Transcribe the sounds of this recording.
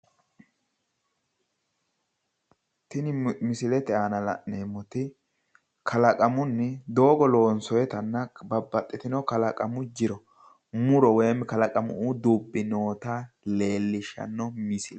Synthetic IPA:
t̪ɪnɪmɪsɪlɛt̪ɛaːnɐlɐ̰ʔneːmːɔt̪ɪ | kʰɐlɐkʼɐmʊnːɪd̪o̞ːɡɔlo̞ːnsɔjɛt̪ɐnːɐbɐbːɐt̪ʼːɪt̪ɪnɔkɐlɐkʼɐmʊd͡ʒɪɾɔ | mʊɾɔwɛːmːɛkɐlɐkʼɐmʊ̰ud̪ubːɪnoːt̪ale̞ːlːɪʃːɐ̰nːɔmɪsɪl

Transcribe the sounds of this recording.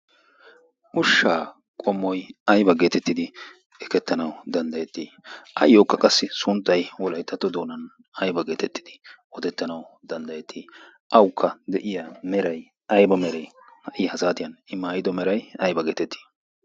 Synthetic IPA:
ʔʊʃːaː | kʼɔmːɔjɐjbɐɡe̞ːt̪ɛt̪ːɪd̪ɪ | ɛkɛt̪ːɐnɐwd̪ɐnd̪ɐjɛt̪ːiː | ʔɐ̰jːoːkːɐkʼɐsːɪsʊnt̪ːɐjwɔlɐjt̪ːɐt̪ːɔd̪o̞ːnɐn | ɐjbɐɡe̞ːt̪ɛt̪ːɪ̥d̪̥ɪ̥ | ɔt̪ɛt̪ːɐnɐwd̪ɐnd̪ɐjɛt̪ʰːiː | ʔɐwkʰːɐd̪ɛʔɪjamɛɾɐj | ɐjbɐmɛɾɛj | hɐʔɪjɐhɐzaːt̪ɪjɐnɪmːaːjɪd̪ɔmɛɾɐjɐjbɐɡeːt̪ɛt̪ːi̥ː

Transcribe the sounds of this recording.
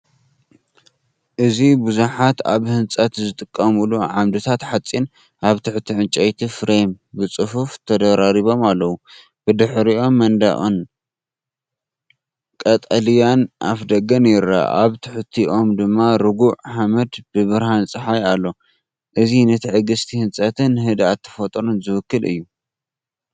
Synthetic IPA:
ʔɨzibuzuħat̪aβhɨnt͡sʼɐt̪zɨt̪ʼɨkʼːɐmuluʕamd̪ɨt̪ʰat̪ħat͡sʼːin | ʔaβt̪ʰɨħt̪ʰiʕɨnt͡ʃʼɐjt̪ʰifɾejm | bɨt͡sʼɨfuft̪ʰɐd̪ɐɾaɾiβo̞malːɐwu | b̥ɨd̪ɨħɾiʔo̞mːɐnd̪a̰ʔʼon | kʼɐt̪ʼɐlijanʔa̰fd̪ɐɡɐnjɪɾa̰ʔaβt̪ʰɨħt̪ʰiʔo̞md̪ɨmːaɾɨɡuʕħamɐd̪bɨβɨɾhant͡sʼɨħajalːo̞ | ʔɨzinɐt̪ʰiʕɨɡɨst̪ʰihɨnt͡sʼɐt̪ʰɨnhɨd̪at̪ʰːɐ̥fɐt̪ʼɾunzɨwɨkːɨlʔɨ̰jːu

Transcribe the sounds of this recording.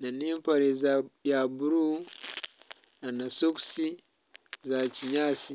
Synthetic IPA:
naniːmpaɾizjabuɾu | nanasuksi | zaciɲasi

